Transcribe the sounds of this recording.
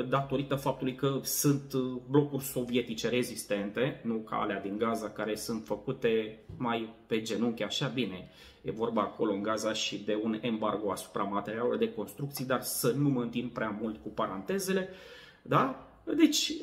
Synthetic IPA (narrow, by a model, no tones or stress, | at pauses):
d̪at̪o̞ɾit̪əfap̚t̪ulujkəsɨnt̪blo̞kurʲso̞vije̞t̪it͡ʃe̞ɾe̞zist̪e̞nt̪e̞nuka̰a̰lead̪iŋɡazakaɾe̞sɨnt̪fəkut̪e̞majpe̞d͡ʒe̞nuŋkʲeaʃabine̞ | je̞̰vo̞rbaːkʰo̞lo̞ɨŋɡazaʃid̪e̞une̞mbarɡo̞asu̥pɾamat̪eɾialo̰d̪e̞ko̞nst̪ɾukt̪sijd̪arsənuməɨnt̪impɾeamult̪kupaɾant̪e̞ze̞le̞ | d̪a | d̪e̞t͡ʃʲ